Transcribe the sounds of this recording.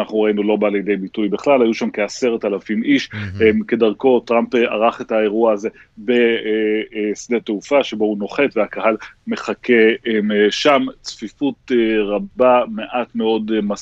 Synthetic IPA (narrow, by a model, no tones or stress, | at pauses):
naχnuʁainulo̞baljd̪e̞jbitujbeχlalhajuʃamkease̞ʁetalafimʔiʃemke̞daʁko̞tʁampa̰ʁaχe̞tae̞ʁuaːze̞ | be̞ | sd̪e̞teufaʃe̞bo̞uno̞χe̞tveakaɦalme̞χakʰemʃamt͡sfifutʁabame̞ʔatme̞o̞dma